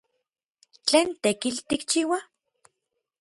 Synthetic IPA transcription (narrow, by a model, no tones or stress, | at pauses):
t͡ɬeːnt̪ekilt̪ikt͡ʃiːwa